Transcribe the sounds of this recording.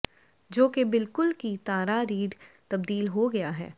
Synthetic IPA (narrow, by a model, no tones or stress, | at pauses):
d͡ʒoːkebɪlkʊlkit̪aːɾaɾiːɖt̪ɐb̚d̪iːlɦoɡɐjaɦɛ̰ː